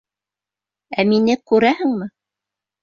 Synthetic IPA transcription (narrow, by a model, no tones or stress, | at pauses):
æminɘkʉɾæhɘ̆ŋmɘ